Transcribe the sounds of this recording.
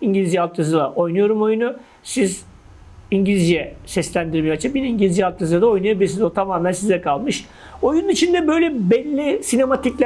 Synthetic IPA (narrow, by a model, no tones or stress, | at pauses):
iɲɟilʲizd͡ʒjɛalˠk̪̚ʰazɯlˠaʔo̞jnujo̞ɾumo̞junu | siz | iɲɟilʲizjɛsɛslʲænd̪iɾmijat͡ʃʰɯp̚biniɲɟilʲizd͡ʒɛalˠk̪ʰazɯlˠad̪ao̞jnuajabilʲiɾs̬inzot̪ʰamaːmænsizɛkʰalˠmɯʃ | o̞jununit͡ʃʰind̪ɛbø̞jlʲɛbɛlʲːisine̞mat̪ʰiclʲ